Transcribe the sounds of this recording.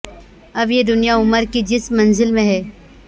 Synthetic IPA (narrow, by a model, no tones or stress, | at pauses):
ɐbjed̪ʊnijaʊməɾkid͡ʒɪsmːɐ̃nzɪlmẽɦɛː